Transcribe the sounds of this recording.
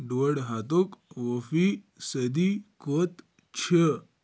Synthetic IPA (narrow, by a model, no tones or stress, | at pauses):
ɖoɽɦat̪okʋofi | səd̪ikot̪ | t͡ɕʰə